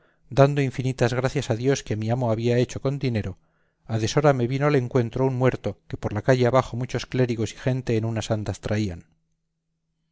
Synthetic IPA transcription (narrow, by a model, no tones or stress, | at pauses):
d̪and̪o̞iɱfinit̪azɣ̞ɾaθjasaðjo̞ske̞miamoaβiae̞t͡ʃo̞ko̞nd̪ine̞ɾo̞ | aðe̞so̞ɾameβinoale̞ŋkwe̞nt̪ɾounmwe̞ɾt̪o̞ke̞po̞ɾlakaʝe̞aβaxo̞mut͡ʃo̞skle̞ɾiɣo̞si̥xe̞nt̪e̞ːnunasand̪ast̪ɾaian